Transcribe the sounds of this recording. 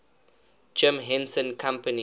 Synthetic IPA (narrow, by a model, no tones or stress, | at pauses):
d͡ʒɪ̃mɦɛ̃nsə̃nkʰãmpəni